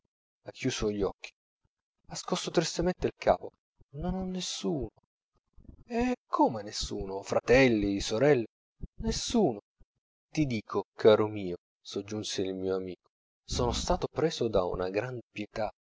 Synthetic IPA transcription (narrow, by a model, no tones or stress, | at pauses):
akʰːjuːsoʎiɔkːi̥ | askɔsːot̪ɾist̪ament̪eilkʰa̰ːpo | nonɔnːesːuːno | ɛkʰːomenesːṵːnofɾat̪ɛlːisoɾɛlːe | nesːuːno | t̪id̪iːkʰokʰaːɾomiːo | sod͡ʒːunseilmiːoamiːko̥ | soːnost̪aːt̪opɾeːzod̪aṵnaɡɾanpjet̪a